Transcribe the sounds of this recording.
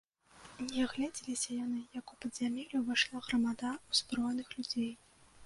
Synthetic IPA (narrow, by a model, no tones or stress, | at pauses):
nʲɛɣlʲad͡zʲilʲisʲɐjanɨjɐkupɐd̪zʲamʲelʲuvajʂlˠaɣrɐmad̪auz̥bɾɔjnɨxlʲud͡zʲej